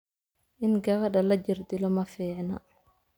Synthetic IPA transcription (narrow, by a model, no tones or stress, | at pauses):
ʔɪnɡɐβɐɖɐlɐd͡ʒɪrd̪ɪlɔmɐfiːʕnɐ̰